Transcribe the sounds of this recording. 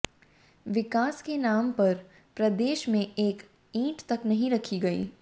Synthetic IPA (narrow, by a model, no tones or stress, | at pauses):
ʋɪkaːskenaːmpɐɾ | pɾɐd̪eːʃmẽeːk | ĩːʈt̪ɐknɐɦĩɾɐkʰiɡɐḭː